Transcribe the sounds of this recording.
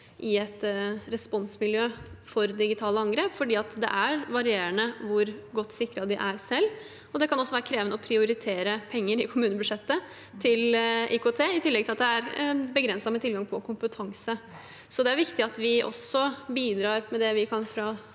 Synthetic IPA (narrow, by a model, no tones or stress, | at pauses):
ʔɪɛt̪ɾɛspɔnsmɪljøːfɔɾd̪ɪɡɪt̪ʰɑːləɑŋɡɾeːpfɔɖiːɑt̪d̪ɛ̰ʔæɾʋɑɾɪeːɾənəʋʊɾɡɔt̪ːsɪkːɾɑd̪ɪʔæɾsɛlː | ɔd̪ɛkɑnɔsːɔʋæːɾəkʰɾeːʋənəɔpʰɾɪʊɾɪt̪ʰeːɾəpʰɛŋːəɾɪkʰʊmʉːnəbʉd̪ʂɛt̪ːə | t̪ʰɪlʔɪkoːt̪ʰeːɪt̪ʰɪlːɛɡ̚t̪ɪlɑt̪d̪ɛæɾbəɡɾɛnsɑmət̪ʰɪlɡɑŋpʰɔkʰʊmpət̪ʰɑŋsə | sɔd̪ɛæɾʋɪkt̪ɪɑt̪ʋɪʔɔ̰sɔbiːd̪ɾɑːɾmɛd̪ɛʋɪkʰɑnfɾɑ